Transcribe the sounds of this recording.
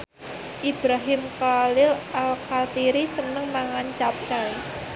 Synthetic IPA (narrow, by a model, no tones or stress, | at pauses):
ʔib̥ɾaɦɪmkalɪlʔalkalt̪iɾisənəŋmaŋant͡ʃap̚t͡ʃaj